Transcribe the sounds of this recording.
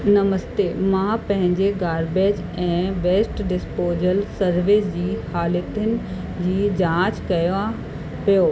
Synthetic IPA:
nɐməst̪emãpɐ̃ɦɪ̃ɲd͡ʑeɡaːɾbeːd͡ʑɛ̃ːʋeːsʈɖɪspoːzəlsɐɾʋɪsd͡ʑiːhaːlɪt̪ənɪ̆ | d͡ʑiːd͡ʑãːt͡ɕkɐjã | pijoː

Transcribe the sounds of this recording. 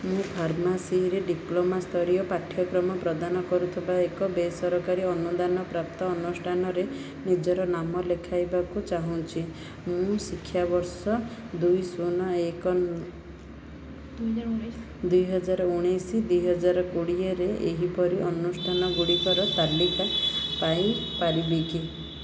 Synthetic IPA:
mũpʰaɾmasiɦɾeɖiplomast̪ʰɔɾijɔpaʈʰjɔkɾɔmɔpɾɔd̪anɔkɔɾut̪ʰibaekɔbesɔɾɔkaɾiɔnud̪anɔpɾap̚t̪ɔːnusʈʰanɔɾe | nid͡ʒɔɾɔnamɔlekʰajbakut͡ʃaɦũt͡ʃʰi | mũsikʰːjabɔɾsɔd̪ujsunɔekɔ | d̪ujɦɔd͡ʒaɾɔuɽ̃ejsid̪ujɦɔd͡ʒaɾɔkuɽieɾeʔeɦipɔɾiʔɔnusʈʰanɔɡuɽikɔɾɔt̪alːikapaĩpaɾibeki

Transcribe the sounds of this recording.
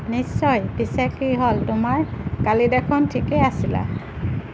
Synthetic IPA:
nisːɔjbisɛkiɦoltʊmaɹkalidɛkʰɔntʰikɛasila̰

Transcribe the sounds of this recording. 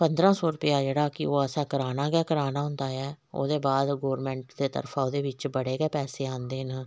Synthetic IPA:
pənd̪ɾãːsɔːɾʊpɪjaːd͡ʒeːɽaːkɪ̰oːəsãːkəɾaːnaːɡɛːkəɾaːnaːɦʊ̃nd̪aːɛː | o̰ːd̪eːbaːd̪ɡoːɾmɛ̃ːɳʈd̪eːt̪ə̰ɾfʰaːoːd̪eːʋɪt͡ʃbəɽeːɡɛːpɛːseːãːnd̪eːnaː

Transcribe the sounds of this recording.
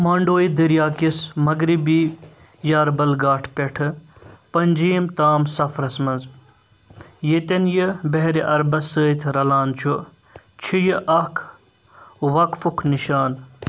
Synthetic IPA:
maːɳɖoːjid̪iɾjaːkismɐɡɾibiː | jaːɾbɐlɡaːʈʰpʲeʈʰɨpɐnʲd͡ʒiːmt̪aːmsɐfʰɾɐsmɐnz | jet̪enjɨbeɦɾiʔɐɾbɐsəːjt̪ʰɾɐlaːnt͡ʃʰu | t͡ʃʰijiʔɐkʰ | ʋɐkfukʰniʃaːn

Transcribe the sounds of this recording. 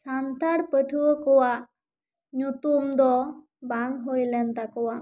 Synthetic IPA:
t͡ʃʰant̪aɽpəʈʰuwəkɔwaʔ | ɲut̪umd̪ɔ | baŋɦojlɛnt̪akɔwa

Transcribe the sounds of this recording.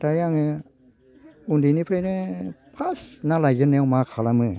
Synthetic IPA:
t̪ajaŋɯ | undiːniːpʰɾeɛpʰasnalajjənɛwmaːkʰalamɯ

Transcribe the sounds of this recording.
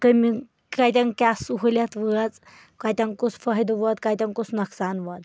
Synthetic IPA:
kəmi | kajt̪ʲãŋkasuɦuljat̪ʋət͡s | kajt̪ʲãŋkusfəjd̪ʋət̪kajt̪ʲãŋkusnəksanʋət̪

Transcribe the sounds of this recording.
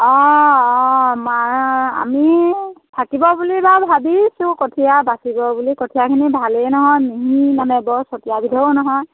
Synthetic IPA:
ɔɔmaa̰mitʰakibɔbulibabʱabisʊ̃kotʰijabasibɔbulikotʰijakʰinibʱalenɔɦɔjmiɦinamɛbɔsɔtijabidʱɔonɔɦɔj

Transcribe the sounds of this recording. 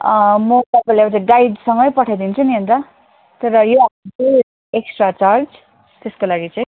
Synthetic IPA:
mʌt̪ʌpalebat͡saĩɡajd̪sʌŋɡʌjpʌʈʰad̪int͡sʰuniɦont̪ʌ | t̪ʌɾʌjoaube | eksʈrat͡sard͡z | t̪eskolaɡit͡saĩ

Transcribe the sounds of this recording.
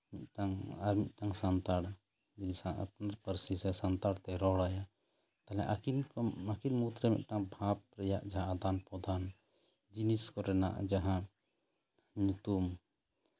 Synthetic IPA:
mit̪ʈaŋaɾmit̪̚ʈaŋsant̪aɽ | d͡ʒinisãa̰pnaɾpəɾsisɛsant̪aɽt̪ɛɾɔɽaja | t̪alɛ̰ʔakinakinmut̪ɾɛmḭʔ̪̚ʈaŋbʱãp̚ɾɛjaʔd͡ʒaɦãad̪anpɔd̪an | d͡ʒiniskɔɾɛna̰ʔd͡ʒaɦã | ɲut̪um

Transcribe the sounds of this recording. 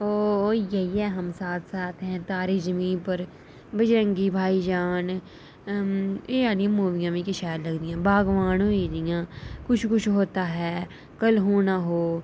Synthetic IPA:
oːjɐɦiɛːɦɐmsaːt̪ʰsaːt̪ʰɦɛ̃ːt̪aːɾed͡ʒəmĩːpɐɾ | bɪd͡ʒɾə̃ŋɡibʱaːid͡ʒaːn | eaːnijãmuːʋijãmẽkɪʃaːjɾlɐɡd̪ijãːbʱaːɡʋaːñõeːd̪ijãːkʊt͡ʃʰkʊt͡ʃʰɦoːt̪aɦɛː | kɐlɦoːnaɦoː

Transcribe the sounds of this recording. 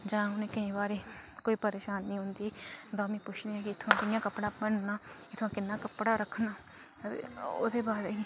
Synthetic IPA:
d͡ʒãːʊnẽːkəĩːbaːɾeːkoːiːpəɾeːʃaːnːĩːɦʊ̃nd̪iːd̪aːmẽːpʊt͡ʃʰd̪eːãːkɪɪt̪ʰːãːt̪ɪjãːkəpɽaːbəɳnaːɪt̪ʰːãːkɪnːaːkəpɽaːɾəkʰna̰ː | o̰ːd̪eːbaːd

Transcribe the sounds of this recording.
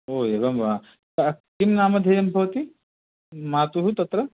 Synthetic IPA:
oːeːʋɐmʋaː | ɐɐkimnaːmɐd̪ʱejɐmbʱɐʋɐt̪i | maːt̪uɦut̪ɐt̪ɾɐ

